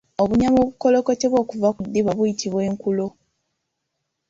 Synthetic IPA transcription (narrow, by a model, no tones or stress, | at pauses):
oβuɲamoβukolo̞koteβwokuvakudːiβaβujitʰiβwe̞ːŋkulo